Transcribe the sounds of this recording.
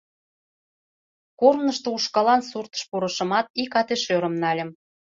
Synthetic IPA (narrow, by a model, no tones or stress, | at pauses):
kornəʃt̪ouʃkɑlɑnsurt̪ə̥̆ʃpoɾɤ̆ʃə̆mɑt̪̚ikɑt̪eʃøɾə̆mnɑlʲə̆m